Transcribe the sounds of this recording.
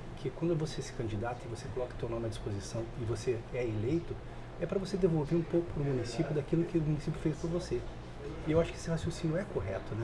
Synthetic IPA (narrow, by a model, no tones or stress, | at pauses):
kʰɪkwɐ̃nd̪ʊvosesɪ̥kɐ̃d͡ʒid̪at̪ɐɪvosekolɔkɐ̥t̪oɾnõmɪɐd͡ʒispozisɐ̃w̃ɪvoseɛelejt̪ʊ | ɛpɾɐvosed̪evowveɾũpowkʊ̥pɾʊmũnisipʲjʊd̪akilʊkɪʊmunisipjʊfejspɐɾvose | ewaʃʊ̥kɪe̥sɪhasjosĩnjʊɛkoɦɛt̪ʊnɛ